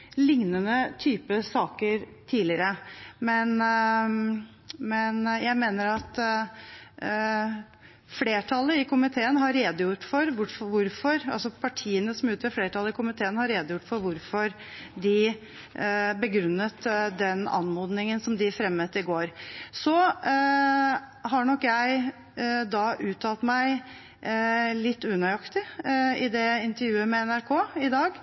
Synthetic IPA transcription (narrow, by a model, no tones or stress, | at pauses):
lɪŋnənət̪ʰyːpəsɑːkəɾt̪ʰiːlɪəɾəmɛn | mɛnjæɪmeːnəɾɑt̪ | fleːʈʰɑlːəɪkʊmɪt̪ʰeːənɦɑɾːeːd̪ʊjʊʈːfɔɾʋʊɾfɔʋʊɾfɔɾɑ̰lsɔpʰɑʈʰiːənəsɔmʉːt̪əfleːʈʰɑləɪkʊmɪt̪ʰeːənhɑɾːeːd̪əjʊʈːfɔɾʋʊɾfɔɾ | d̪ɪ | bəɡɾʉnːət̪d̪ɛnɑ̰nmoːd̪nɪŋənsɔmd̪ɪfɾɛmːət̪ɪɡoːɾsɔ | ɦɑɳɔkːjæɪ | d̪ɑʔʉːt̪ʰɑlt̪mæɪ | lɪt̪ːʉnəɑkt̪ɪɪd̪ɛɪnt̪əɾjʉːəmɛɛnæɾkʰoːɪd̪ɑːɡ